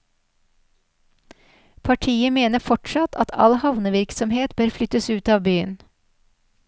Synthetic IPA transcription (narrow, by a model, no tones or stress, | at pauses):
pʰɑʈʰiːəmeːnəfɔʈʃɑt̪ʰɑ̰t̪ʰɑ̰lhɑʋnəʋɪɾksɔmheːt̪bøːɾflʏt̪əsʉːt̪ɑːʋbyːən